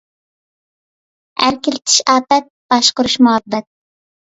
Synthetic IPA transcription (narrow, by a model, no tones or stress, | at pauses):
æ̰ɾkʲɪlɪt̪ʰi̥ʃɑːpɛt̪̚b̥ɑʃqəɾuʃmuɑbːɛt̪̚